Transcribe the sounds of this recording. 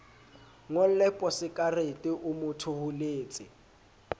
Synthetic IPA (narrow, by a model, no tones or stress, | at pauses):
ŋol̩lɛpʼɔsɪkʼaretʼɪʔʊmʊtʰʊhʊleːt͡sʼɪ̰